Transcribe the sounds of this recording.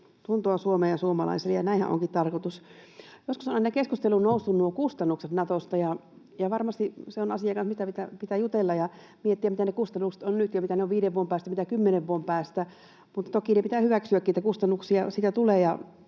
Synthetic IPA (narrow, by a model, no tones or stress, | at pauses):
t̪unt̪oɑsuomeːjɑsuomɑlɑ̰iselejɑnæˑihæ̰ʔo̰ŋkit̪t̪ɑrkot̪usjoskusonɑinɑkeskust̪elunnoˑusːunːuokust̪ɑnːukset̪nɑt̪ost̪ɑjɑ | jɑʋɑrmɑst̪iseonɑsijɑkɑnsmist̪æpit̪æpit̪æjut̪elːɑjɑ | miet̪ːiæmit̪ænekust̪ɑnːukse̥t̪onnyt̪jɑmit̪æneoʋʋiːɾeʋuompæːst̪æmit̪ækymːeneʋʋuompæːst̪æ | mut̪ːɑt̪okinepit̪æhyʋæksyæknit̪ækust̪ɑnːuksiɑsiːt̪æt̪uleːjɑ